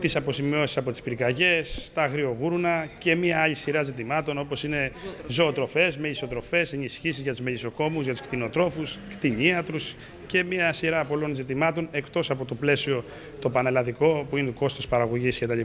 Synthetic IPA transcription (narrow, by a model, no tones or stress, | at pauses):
t̪isɐpo̞simio̞si̥sɐpo̞t̪i̥spiɾkɐʝe̞st̪ɐɣɾio̞ɣuɾunɐce̞miɐɐʎisiɾɐzit̪̬imɐt̪o̞no̞po̞sine̞zo̞ːt̪ɾo̞fe̞zmeʎiso̞t̪ɾo̞fe̞senisçisizʝɐt̪uzmeʎiso̞ko̞muzʝɐt̪u̥skt̪ino̞t̪ɾo̞fuskt̪iɲiɐt̪ɾus | ce̞miɐsiɾɐpo̞lo̞nzit̪imɐt̪o̞ne̞kt̪o̞sɐpo̞t̪o̞ple̞sio̞ | t̪o̞pɐnelɐðiko̞puinet̪uko̞st̪ospɐɾɐɣoʝiscet̪ɐʎi